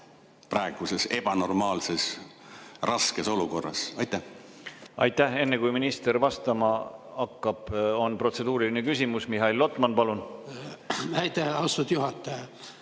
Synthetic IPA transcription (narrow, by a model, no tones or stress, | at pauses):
pɾɑeɡ̥usese̞b̥ɑno̞rmɑːlses | rɑske̞so̞luko̞rːɑ̰sɑjt̪ːæh | ɑ̰jt̪ˑːæhe̞nːe̞kujminist̪e̞rvɑst̪ɑmɑɑkːɑb̥o̞npro̞t̪se̞d̪uːɾilinekysʲimusmiɦɑilːo̞t̪ːˑmɑnpɑlun | æjt̪eɑwst̪ut̪juɦɑt̪ːˑɑjɑ